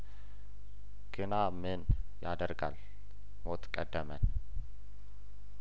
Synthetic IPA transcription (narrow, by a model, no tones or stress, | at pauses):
ɡ̥ɨnamɨnjad̪əɾɡa̰l | mot̪kʼəd̪ːəmən